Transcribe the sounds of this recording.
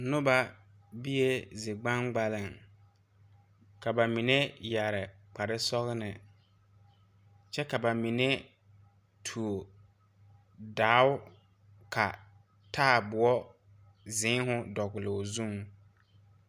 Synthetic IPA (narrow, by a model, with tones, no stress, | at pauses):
nʊ˦ba˨ | bi˦je˦zɪ˨ɡ͡ba˦ŋɡ͡ba˦lɪ˨ŋ | ka˨ba˨mi˨ne˦ja˨ɾɪ˨ | k͡pa˨ɾɪ˦sɔ˦ɣnɪ˨ | t͡ʃɛ˦ka˨ba˨mi˨ne˦ | tʰu˨o˨ | daː˨˦ʊ˦ | ka˨ | tʰaː˦˨bʊ˨ɔ˦ | zɪ̃˨˦ɦʊ˦dɔ˨ɣʊ˨lo˨zu˦ŋ